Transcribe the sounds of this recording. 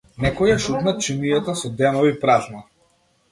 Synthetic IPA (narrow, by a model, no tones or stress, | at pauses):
nɛkɔjaʃut̪nat͡ʃimijat̪asɔd̪ɛnɔvipɾazna